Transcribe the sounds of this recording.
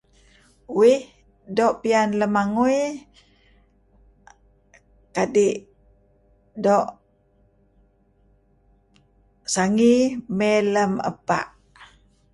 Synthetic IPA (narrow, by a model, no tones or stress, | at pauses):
wih | doʔpianləmaŋuj | kadiʔ | doʔ | saŋimeləmə̰pa̰ʔ